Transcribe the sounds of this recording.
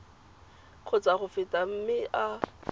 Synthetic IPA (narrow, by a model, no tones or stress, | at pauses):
q͡χʰʊt͡saχʊfɪtʼam̩mɪʔa